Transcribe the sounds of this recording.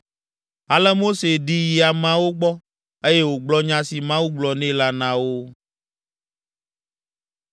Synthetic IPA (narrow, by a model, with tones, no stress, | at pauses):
a˨lɛ˦mo˦se˨ɖi˦ji˨a˨mã˦wo˦ɡ͡bɔ˦ | e˦je˦wo˨ɡ͡blɔ˦ɲã˦si˨mã˦wu˦ɡ͡blɔ˨nɛ̃˦la˦nã˦wo˦